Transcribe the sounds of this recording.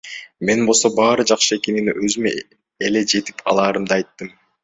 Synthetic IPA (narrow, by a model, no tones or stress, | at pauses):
me̞nbolˠso̞bɑːɾɯd͡ʒɑqʃɯe̞ke̞niniʔøzyme | ele̞d͡ʒe̞t̪i̥pʰɑ̰lˠɑːɾɯmd̪ɑɑjt̪ːɯm